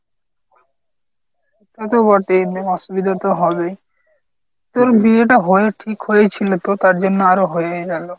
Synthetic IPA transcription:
ʃut̪at̪̬obɔʈeɔʃubid̪ʱat̪oɦɔbe | ut̪ːoɾbieʈ̬aɦoeʈʰikɦojet͡ɕʰilot̪ot̪aɾd͡ʑonːoaɾoɦoeɡalo

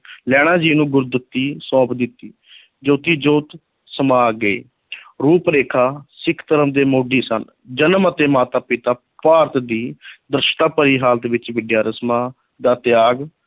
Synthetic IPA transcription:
lɛːɽ̃ãːd͡ʒiːnũːɡʊɾd̪ʊt̪ːiːsɔ̃ːpd̪ɪt̪ːiː | d͡ʒoːt̪iːd͡ʒoːt̪ | səmaːɡəḛː | ɾuːpɾeːkʰaːsɪkʰt̪əɾəmd̪eːmoːɖiːsə̰n | d͡ʒənmət̪eːmaːt̪aːpɪt̪aː | paːɾt̪d̪iːd̪ɾɪʃʈ̪aːpəɾiːɦaːlt̪ʋɪt͡ʃʋɪɖjaːɾəsmãː | d̪aːt̪ɪjaːɡ

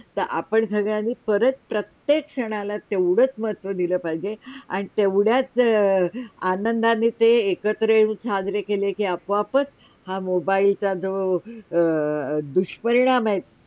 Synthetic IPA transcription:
t̪əɾʔa̰pəɳsəɡɭjanːiːpəɾət͡s̪̚pɾət̪jekʂəɽ̃alat̪eʋɽət͡sməɦət̪ʋəd̪iləːpaid͡ʑea̰ɽ̃it̪eʋɽjat͡s | anənd̪anːiːt̪eːkət̪ɾəjũt͡sʰadɾekelekiəpʋapət͡s | hamobailt͡sad͡z̪o | d̪uɕpəɾiɽ̃amaet̪̚

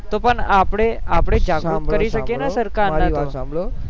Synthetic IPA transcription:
t̪opəɳapɽeapɽed͡ʑakukəɾiɕəkenasəɾkanːat̪o | o

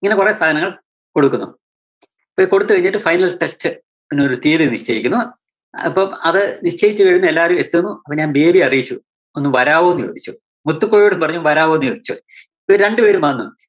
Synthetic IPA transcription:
iŋːɐnekuresaːd̪ʱɐnɐŋːɐɭ | ko̞ɽukːunːṵ | pːoko̞ɽut̪ːɨkɐiɲːiʈːɨfɐjnɐlʈestɨ | enːoɾut̪iːðiniʂt͡ɕeːjikʲːunːu | ɐpːoːɐðɨniʂt͡ɕeːjit͡ɕːɨkɐɻinːue̞lːaːɐɾume̞t̪ːunːuɐpːoːɲaːnbe̞ːbiɐrijit͡ɕːu | onːumʋɐɾaːʋoːnːujo̰ːd̪ʱit͡ɕːu | mut̪ːukːoːɻoːɽumpɐrɐɲːumʋɐɾaːʋoːnːujoːd̪ʱit͡ɕːu | pːoːɾe̞ɳɖɨpe̞ːɾumɐnːum

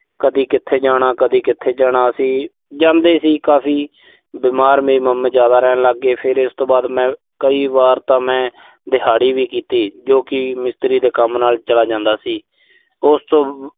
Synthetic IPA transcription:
kəd̪iːkɪt̪ʰːeːd͡ʒaːɽ̃aːkəd̪iːkɪt̪ʰːeːd͡ʒaːɽ̃aːəsĩː | d͡ʒãːnd̪eːsiːkaːpʰiː | bɪːmaːɾmeːiːməmːẽːd͡ʒjaːd̪aːɾɛːnləɡːeːpʰɪɾɪst̪õːbaːd̪mɛ̃ː | kəiːbaːɾt̪ãːmɛ̃ː | d̪ɪɦaːɽiːʋiːkiːt̪iːd͡ʒoːkɪmɪst̪ɾiːd̪eːkəmnaːlt͡ʃəlaːd͡ʒãːnd̪aːsiː | ʊst̪õː

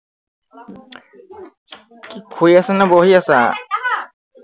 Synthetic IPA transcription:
kikʰujasɛnaboɦiasa̰

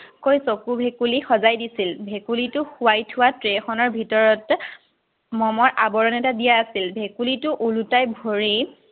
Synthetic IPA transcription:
kojsokubʱekulixɔzajdisilbʱekulitʊxʊwajtʰʊwatɹexɔnɔɹbʱitɔɹɔt | mɔmɔɹʔabɔɹɔnɛtadijaːsilbʱekulitʊʔulutajbʱoɹi

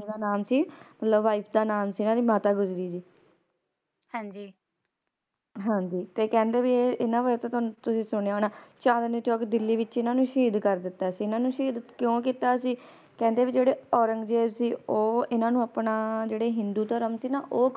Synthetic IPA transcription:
d̪aːnaːmsiːmət̪ləbʋaːipʰd̪aːnaːmsiːɪnãːd̪iːmaːt̪aːɡʊzɾiːd͡ʒiː | hãːɲd͡ʒiː | ɦãːɲd͡ʒiːt̪eːkɛ̃ːnd̪eːʋieːɪnãːʋəɾt̪õːt̪ʊnːt̪ʊsĩːsʊɽ̃eaɦoːnaːt͡ʃãːd̪niːt͡ʃɔːkd̪ɪlːiːʋɪt͡ʃɪnãːnũːʃiːd̪kəɾd̪ɪt̪ːaːsiːɪnãːnũːʃiːd̪kjõːkiːt̪aːsiː | kɛ̃ːnd̪eːʋɪd͡ʒeːɽeːɔːɾəŋɡd͡ʒeːbsiːoːɪnãːnũːəpnaːd͡ʒeːɽeːɦɪnd̪uːt̪əɾəmsiːnaːʔoː

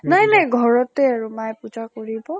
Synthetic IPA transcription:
najnajɡʱɔɹɔtɛaɹumajpud͡ʒakoɹibɔ

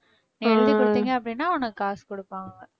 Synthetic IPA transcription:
nɭd̪ikɔɽɯt̪ːiːŋɡɐɐp̬ːɐɽɪnːaːʊnɐkːɯaːskɔɽɯpːaːŋɡɐ

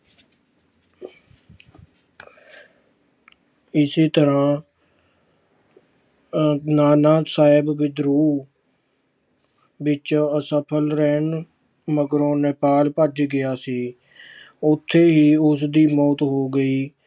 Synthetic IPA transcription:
ɪseːt̪əɾãː | naːnaːsaːɪbʋɪd̪ɾuː | ʋɪt͡ʃəsəpʰəlɾɛːn | məɡɾõːnəpaːlpəd͡ʒɡɪjaːsiː | ʊt̪ʰːeːɦiːʊs̬d̪iːmɔːt̪ɦoːɡəiː

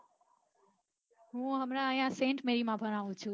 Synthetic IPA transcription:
ɦũɦəmɾaəjãsẽːɳʈmeɾimãbʱəɾ̃aũt͡ʃʰũ

